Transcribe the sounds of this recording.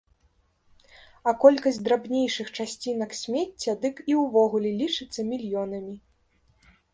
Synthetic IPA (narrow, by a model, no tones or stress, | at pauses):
ɐkɔlʲkɐsʲd̪ɾabnʲejʂɨxt͡ʂasʲt͡sʲinɐksʲmʲet͡st͡sʲːɐd̪ɨkiwvɔɣulʲɛlʲit͡ʂɨt̪sːɐmʲilʲjɔnɐmʲi